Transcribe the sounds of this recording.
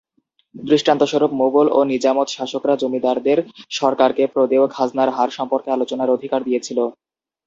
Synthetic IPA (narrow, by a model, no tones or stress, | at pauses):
b̪ɾiʃʈant̪oʃoɾopmoɡolonid͡ʑamot̪ʃaʃokɾad͡ʑomid̪aɾd̪eɾʃɔɾkaɾkepɾod̪eokhad͡ʑnaɾɦaɾʃɔmpoɾkealot͡ɕonaɾod̪ʱikaɾd̪ijet͡ɕʰilo